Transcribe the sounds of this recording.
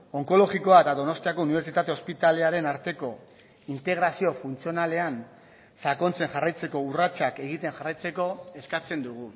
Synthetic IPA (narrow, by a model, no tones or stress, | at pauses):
o̞ŋko̞lo̞ɣiko̞aet̪aðo̞no̞st̪iako̞uniβe̞ɾt͡ʃit̪at̪e̞o̞spit̪ale̞aɾe̞naɾt̪e̞ko̞ | int̪e̞ɣɾasio̞funt͡sio̞nale̞an | sako̞nt͡se̞ŋxarajt͡se̞ko̞urat͡ʃake̞ɣit̪e̞ŋʝarajt͡se̞ko̞e̞skat͡se̞nd̪uɣ̞u